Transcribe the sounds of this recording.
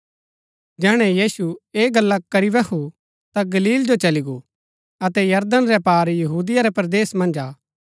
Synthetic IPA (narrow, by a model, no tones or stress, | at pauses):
d͡ʒɛːɽ̃ɛ̃jiːsueːɡɐlːakɐɾiʋɛkʰu | t̪aɡɐliːld͡ʒot͡ʃɐliɡo | ɐt̪ɛjɐɾd̪ənɾɛpaːɾjɐɦuːd̪ɪjaɾɛpɐɾd̪eːsmɐ̃nd͡ʒaː